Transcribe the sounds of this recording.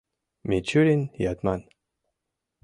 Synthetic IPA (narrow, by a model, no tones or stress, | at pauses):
met͡ʃʰuɾinjat̪man